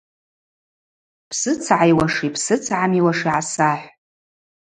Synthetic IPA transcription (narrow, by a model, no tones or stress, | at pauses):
pʰsɨt͡sʰʕajwaʂipʰsɨt͡sʰʕamiwaʂiʕasaħʷ